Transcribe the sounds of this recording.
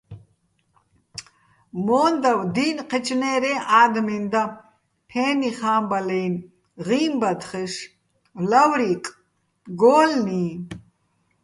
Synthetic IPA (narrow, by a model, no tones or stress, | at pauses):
mɔːnd̪awd̪iːnqʰɛt͡ʃʰʼnɛːɾɛʔaːd̪mind̪a | pʰɛːniχaːmbalɛjn | ʁiːmbad̪χɛʃ | lawɾikʼ | ɡɔːlni